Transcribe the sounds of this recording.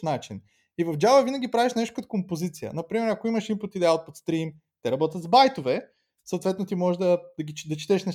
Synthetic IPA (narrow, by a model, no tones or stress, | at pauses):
nat͡ʃin | ivɐvd͡ʒavɐvinɐɡʲipɾaviʃnɛʃt̪o̥kɐt̪o̥kompozit̪sijə̰nɐpɾimɛɾɐkoimɐʃimpʊt̪id̪ɛaot̪̚pot̪st̪ɾim | t̪ɛɾɐbɔt̪ʲət̪zbajt̪ovɛ | sot̪vɛt̪not̪imɔʒɛʒd̪ɐd̪ɐɡit͡ʃd̪ɐt͡ʃi̥t̪ɛʃnɐ